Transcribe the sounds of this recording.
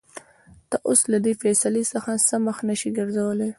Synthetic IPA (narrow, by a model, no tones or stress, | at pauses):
t̪aʔoslad̪efesalisəxasəməxnəʃiɡəɾzawəle